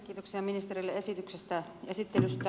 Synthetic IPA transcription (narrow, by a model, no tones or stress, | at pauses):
kːiːt̪oksiɑminist̪erilːeesit̪yksest̪æesit̪ːelyst̪æ